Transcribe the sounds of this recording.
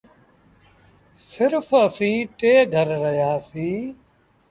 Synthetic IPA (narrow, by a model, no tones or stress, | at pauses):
sɪɾpʰəsĩːʈeːɡʱəɾːəɦjaːsiː